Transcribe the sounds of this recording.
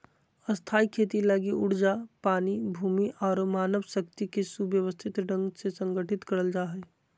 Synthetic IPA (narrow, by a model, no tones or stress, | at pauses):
əst̪ʰaːikʰeːt̪ilaɡiʔʊɽ̤d͡ʒapaːnibʱuːmiʔɔːɾmaːnəʋsəkt̪ikesubjəʋəst̪ʰɪt̪ɖə̃ŋɡsesə̃ŋɡəʈʰɪt̪kəɾəld͡ʒaːɦɛ